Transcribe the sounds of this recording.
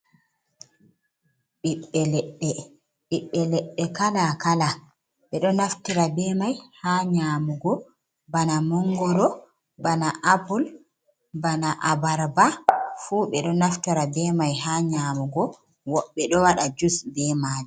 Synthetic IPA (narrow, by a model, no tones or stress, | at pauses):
ɓiɓːɛlɛɗːɛ | ɓiɓːɛlɛɗːɛkalakala | ɓɛɗɔnaftiɾabɛːmajhaːɲamuɡɔ | banamɔŋɡɔɾɔ | banaʔabul | banaʔabaɾbafuɓɛɗɔnaftiɾabɛmajɦaːɲamuɡɔ | wɔɓːɛɗɔwaɗad͡ʒusbɛmaːd͡ʒɛ